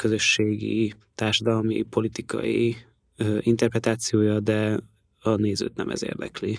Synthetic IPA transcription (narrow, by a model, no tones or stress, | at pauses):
kø̞zø̞ʃːeːɡḭ | t̪aːrʃɒd̪ɒlmḭpo̞lit̪ikɒ̰jḭ | int̪ɛrprɛt̪aːt̪sijoːjɒd̪ɛ | ɒneːzø̰ːt̪nɛ̰mʔɛ̰zḛːrd̪ɛ̰kli